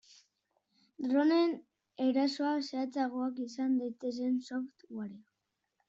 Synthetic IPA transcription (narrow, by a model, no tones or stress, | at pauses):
d̪ɾo̞ne̞n | e̞ɾaso̞ase̞at͡saɣ̞oakisand̪ajt̪e̞s̬e̞nsoft̪ɣwaɾi